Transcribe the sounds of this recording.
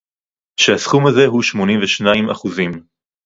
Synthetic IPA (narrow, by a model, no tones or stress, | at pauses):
ʃehasχumaze̞ɦuʃmo̞nĩmveʃnaima̰χuzim